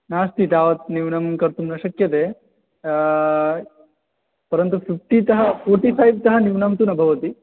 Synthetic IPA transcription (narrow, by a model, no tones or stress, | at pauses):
naːst̪ʰit̪aːʋɐt̪niʋnɐmkɐɾt̪umnɐʃɐkjɐt̪eː | pɐɾɐnt̪upipʈit̪ɐɦɐfoːɾʈipʰɐjbt̪ɐɦɐniʋnɐmt̪unɐbʱɐʋɐt̪i